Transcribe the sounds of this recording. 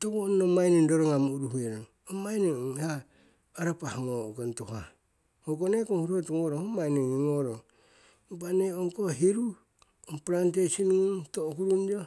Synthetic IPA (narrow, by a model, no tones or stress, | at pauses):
tokonːomajnindoɾoŋamuɾuɦeɾoŋ | omajneoŋhaː | ɾapahaŋoɡantoha̰ | oɡonekoŋhuɾotuŋoɾoomajneniŋoɾoŋ | baneoŋkoɦiɾu | ompɾant̬esinuŋtokuɾund͡ʒo